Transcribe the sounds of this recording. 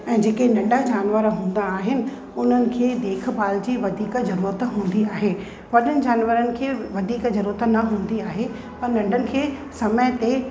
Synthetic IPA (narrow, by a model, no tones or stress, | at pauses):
ɛ̃ːd͡ʑeːkenɐ̃ɳɖə̃d͡ʑaːnʋəɾɦũːn̆d̪aːɦɪnɪ̆ | ʊn̤ənɪ̆kʰeːd̪eːk̆ʰbaːld͡ʑiːʋɐd̪ʱiːkzɐɾuːɾət̪ɦũːn̆d̪iaːɦe | ʋɐɗənɪ̆d͡ʑaːnʋəɾənɪ̆kʰeːʋɐd̪ʱiːkzɐɾuːɾət̪nɐɦũːn̆d̪iaːɦe | pɐɾnɐ̃ɳɖʱənɪ̆kʰeːsɐməɪt̪e